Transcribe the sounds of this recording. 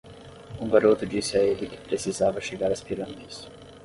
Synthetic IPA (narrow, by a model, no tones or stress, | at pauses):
ũɡaɾot̪ʊd͡ʒisɪaelɪkɪ̥pɾesizavɐʃeɡaɾɐspiɾɐmejs